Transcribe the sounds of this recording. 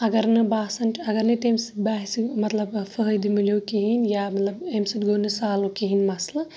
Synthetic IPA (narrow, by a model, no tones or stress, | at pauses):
ɐɡɐɾnɨbaːsɐnʈɐɡɐɾneʈemsi̥t̪̚baːɦisimɐt̪lɐbfəɦjd̪imiloːkiɦinjaːmɐt̪lɐbemsit̪ɡonɨsaːlokiɦinmɐslɐ